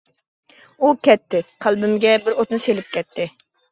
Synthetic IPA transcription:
ukʲɛt̪ːɪqʰælˠbɪmɪɡʲɛbɪɾot̪nɨselɪp̚kʲɛt̪ʰːɪ

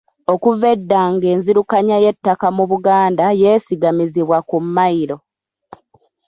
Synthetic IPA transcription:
o̞kuve̞dːaːŋɡe̞ːnziɾukaɲaje̞tːakamuβuɡaːndajeːsiɡamiziβwakumːaiɾo̞

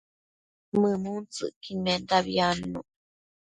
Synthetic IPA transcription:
mɨmunt͡sɨ̰ʔkinẽnd̪aβianu

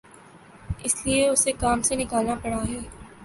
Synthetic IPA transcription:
ɪslieʊsekaːmsenɪkaːlnapɐɽaɦɛː

